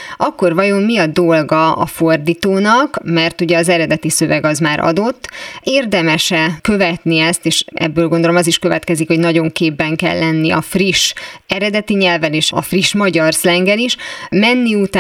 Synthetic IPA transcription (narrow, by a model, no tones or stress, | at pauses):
ɒkːo̞rvɒjo̞mːiɒd̪o̞lɡɒɒ̰fo̞rd̪iːt̪oːnɒkmɛrt̪uɟɛɒzɛɾɛd̪ɛt̪isø̞vɛɡɒzmaːɾʔɒ̰d̪o̞t̪ːeːrd̪ɛmɛʃɛkø̞vɛt̪niɛst̪eːʃʔɛ̰bːøːlɡo̞nd̪olo̞mɒziʃkøvɛt̪kɛzikho̞ɟnɒɟo̞ŋkeːbːɛŋkɛ̰lːɛnːiɒ̰friʃɛɾɛd̪ɛt̪iɲɛlvɛleːʃɒ̰friʃmɒɟɒrslɛŋɡɛliʃmɛnːiut̪aː